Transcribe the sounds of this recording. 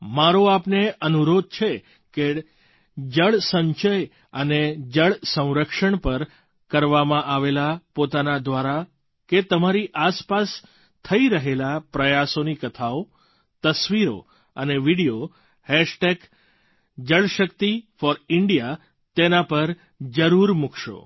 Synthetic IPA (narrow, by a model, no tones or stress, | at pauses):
maɾoapneənuɾod̪̚t͡ʃʰe | ke | d͡ʒəɭsə̃ɲt͡ʃəj | əned͡ʒəɭsə̃w̃ɾəkʃəɳpəɾ | kəɾʋamãʔaʋelapot̪anad̪ʋaɾa | ket̪əmaɾiʔaspas | t̪ʰəiɾəɦelapɾəjasonikət̪ʰao | t̪əsʋiɾo̰ | əneʋiɽijo | hɛʃʈek | d͡ʒəɭʃəkt̪ifɔɾɪɳɖija | t̪enapəɾ | d͡ʒəɾuɾmukʰʃo̰